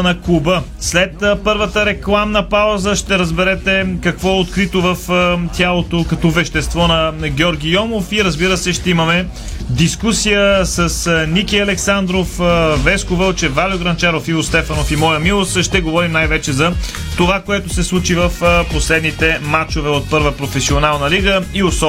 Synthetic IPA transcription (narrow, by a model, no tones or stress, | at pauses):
nɐkubə | slɛt̪pɤɾvət̪əɾɛklˠamnɐpawzəʃt̪ɛɾəzbɛɾɛt̪ɛkɐkvɔɛot̪kɾit̪ovəft̪ʲjalˠot̪okɐt̪ɔvɛʃt̪ɛst̪vɔnɐɡʲjɔɾɡʲijɔmofiɾəzbiɾəsɛʃt̪ɛimɐmɛ | d̪iskusijəsəsnikʲiɐlɛksand̪ɾofvɛskovəlˠt͡ʃɛvalʲjoɡɾɐnt͡ʃaɾofiost̪ɛfɐnofimɔjəmilˠosʃt̪ɛɡovɔɾimnajvɛt͡ʃɛzɐ | t̪ovakoɛt̪ʊsɛslˠut͡ʃivəfposlɛd̪nit̪ɛmat͡ʃovɛot̪̚pɤɾvəpɾofɛsionalˠnɐliɡəiosɔ